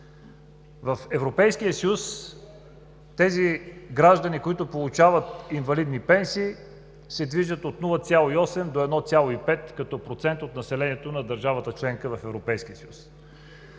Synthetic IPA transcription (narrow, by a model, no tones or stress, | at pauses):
vɐfɛvɾopɛjskijəsəjus | t̪ɛziɡɾaʒd̪ənikoit̪ʊpolˠʊt͡ʃavət̪invɐlid̪nipɛnsiː | sɛd̪viʒət̪ot̪nulˠət̪sʲjalˠoiɔsɛmd̪oɛd̪nɔt̪sʲalˠoipɛt̪kɐt̪ɔpɾot̪sɛnt̪ot̪nɐsɛlɛniɛt̪onɐd̪əɾʒavət̪ət͡ʃlɛŋkəvɐfɛvɾopɛjskiəsəjus